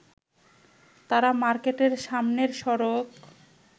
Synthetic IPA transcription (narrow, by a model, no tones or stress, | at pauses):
t̪aɾamaɾkeʈeɾʃamneɾʃɔɾok